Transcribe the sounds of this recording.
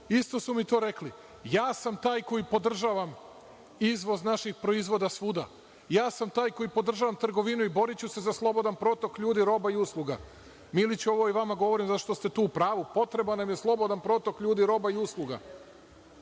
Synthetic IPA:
ist̪o̞sumit̪o̞ːɾe̞kli | jaːsamt̪aːjko̞jipo̞d̪r̩ʒaːʋam | izʋo̞znaʃixpɾo̞izʋo̞d̪asʋuːd̪a | jaːsamt̪aːjko̞jipo̞d̪r̩ʒaːʋamt̪r̩ɡo̞ʋinuibo̞ɾit͡ɕuse̞zaslˠo̞bo̞d̪anpɾo̞t̪o̞kʎuːd̪iɾo̞baiuslˠuɡa̰ | milit͡ɕo̞ʋo̞iʋamaɡo̞ʋo̞ɾimzaʃt̪o̞st̪e̞t̪uːpɾaːʋupo̞t̪ɾe̞banamje̞slˠo̞bo̞d̪anpɾo̞t̪o̞kʎuːd̪iɾo̞baiuslˠuɡa̰

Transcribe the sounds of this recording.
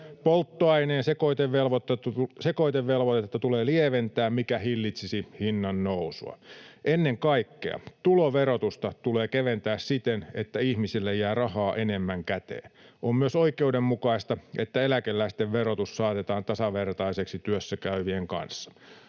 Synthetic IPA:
polt̪ːoɑineːnsekoit̪eʋʋelʋot̪ːsekoit̪eʋʋelʋot̪et̪ːet̪ːæt̪uleːlieʋent̪æːmmikæhilːit̪sisihinːɑnnousṵɑ̰ʔenːeŋkɑikːḛɑ̰t̪uloʋeɾot̪ust̪ɑt̪uleːkeʋent̪æːssit̪enet̪ːæihmisilːejjæːrɑhɑːʔenemːæŋkæt̪ḛːnʔommyøsoikeudemmukɑist̪ɑʔet̪ːæelækelːæist̪eʋʋeɾot̪ussɑːt̪et̪ɑːnt̪ɑsɑʋert̪ɑiseksit̪yøsːækæyʋieŋkɑ̰nsːɑ̥

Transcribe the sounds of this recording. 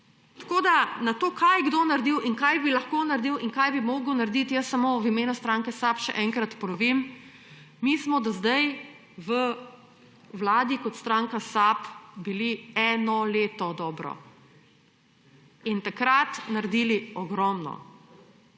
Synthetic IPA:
t̪kod̪anat̪oːkʰajɡd̪oːnaɾd̪iwiŋkajbilɐxkonaɾd̪iːwiŋkajbimoːɡəwnaɾd̪it̪jəsːamoʋimeːnust̪ɾaŋkɛsapʃɛ̰ʔɛŋkɾat̪pɔɾɔʋim | mismɔd̪azd̪aj | ʋə | wlaːd̪ikɔt̪st̪ɾaːŋkasapbiliɛnɔleːt̪ɔd̪ɔːbɾɔ̰ | int̪akɾat̪naɾd̪iːliɔɡɾɔmnɔ̰

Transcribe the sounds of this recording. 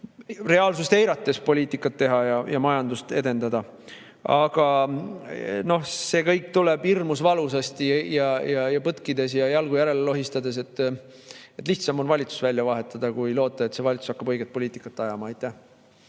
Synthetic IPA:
re̞ɑːlsust̪ejɾɑt̪ːe̞spo̞lʲiːt̪ikːˑɑt̪ːe̞ɦɑjɑjɑmɑjɑnd̪ust̪e̞d̪e̞nd̪ɑd̪ɑ | ɑɡ̥ɑ | no̞hse̞ːkɤjkːt̪uleb̥irmusvɑlusɑst̪ijɑjɑjɑpɤt̪kid̪e̞s̬jɑjɑlɡujæɾe̞lelo̞ɦist̪ɑd̪e̞s̬e̞t̪ː | et̪ːˑliçht̪sɑmo̞nvɑlʲit̪su̥svælʲjɑvɑɦe̞t̪ːˑɑd̪̥ɑkujlo̞ːt̪ːˑɑe̞t̪se̞vɑlʲit̪su̥sɑ̥kːɑbɤ̞jɡ̥et̪̚po̞liːt̪ˑikːˑɑt̪ːˑɑjɑmɑɑjt̪ˑːæh

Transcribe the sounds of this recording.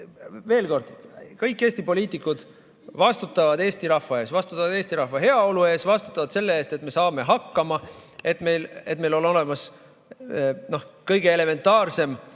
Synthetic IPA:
ve̞ːlko̞rd̪̥kɤjkːe̞ːsʲt̪ipo̞liːt̪ːˑikːˑud̪̥ | vɑst̪ut̪ːˑɑvɑd̪̥e̞ːst̪iɾɑhfvɑe̞ːsvɑst̪u̥t̪ˑːɑvɑd̪̥e̞ːst̪iɾɑhvɑɦe̞ɑo̞lue̞ːsvɑst̪u̥t̪ːˑɑvɑd̪̥se̞lːeeːst̪et̪me̞sɑːme̞ɦɑkːɑmɑe̞t̪me̞jle̞t̪̚me̞jlo̞lo̞le̞mɑs | no̞hkɤjɡe̞ele̞me̞nt̪ːˑɑːrse̞m

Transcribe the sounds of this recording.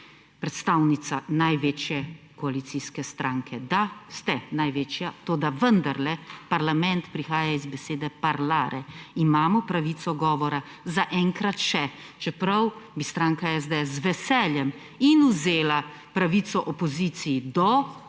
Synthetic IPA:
pɾɛt̪st̪aːwnit̪sanajʋeːt͡ʃjɛkɔalit̪siskɛst̪ɾãːŋkʰɛd̪ast̪ɛnajʋet͡ʃjat̪oːd̪aʋənd̪aɾlɛpaɾlamɛnt̪pɾixaːjaizbɛseːd̪ɛpaɾlaːɾɛimaːmɔpɾaʋiːsɔɡɔːʋɔɾa | zaʔɛŋkɾat̪ʃɛt͡ʃɛpɾɐwbist̪ɾaːŋkaɛsd̪eɛszʋɛsɛljɛm | inuzeːla | pɾaʋit̪sɔʔɔpɔziːt̪sijid̪ɔ

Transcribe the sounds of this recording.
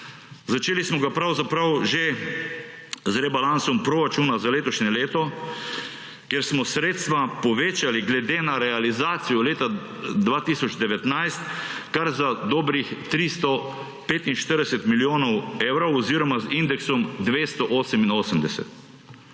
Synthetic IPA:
zat͡ʃeːlismɔɡapɾawzapɾawʒe | zɾɛbalansɔmpɾɔɾat͡ʃunazaleːt̪ɔʃɲɛleːt̪ɔ | keɾsmɔsɾeːt̪st̪ʋapɔʋeːt͡ʃaliɡlɛd̪eːnaɾɛalizaːt̪sijɔleːt̪a | d̪ʋaːt̪isɔd͡ʒd̪ɛʋɛt̪najst̪kaɾzad̪oːbɾixt̪ɾist̪ɔ | peːt̪inʃt̪əɾd̪ɛsɛt̪miljoːnɔweːwɾɔwɔziɾɔmazind̪ɛksɔmd̪ʋest̪ɔʔoːsəminoːsəmd̪ɛsɛ̰t̪

